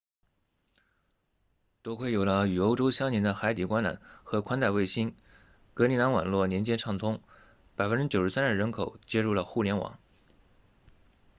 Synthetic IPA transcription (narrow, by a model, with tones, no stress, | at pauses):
t̪wɔ˥kʰwe˥˩ɪjo˨˩ʊlə˧y˨˩o˥ʊʈ͡ʂo˥ʊɕjɑ˥ŋnjɛ˧˥nd̪ə˧xa˧˥ɪt̪i˨˩kwa˥na̰˨˥˦nxɤ˧˥kʰwa˥nt̪a˥˧ɪwe˥˩ɪɕi˥n | kɤ˧˥li˧˥na˧˥nwa̰˨˩nlwɔ˥˩njɛ˧˥nt͡ɕjɛ˥nʈ͡ʂʰɑ˥˩ŋt̪ʰʊ˥ŋ | pa˨˩ɪfə˥nʈ͡ʂɻ̩˥t͡ɕjo˨˩ʊʂɻ̩˥sa˥nə˞˥˩ɻə˧˥nkʰo˨˩ʊt͡ɕjɛ˥ɻu˥˩lə˩xu˥˩ljɛ˧˥nwɑ̰˨˩˦ŋ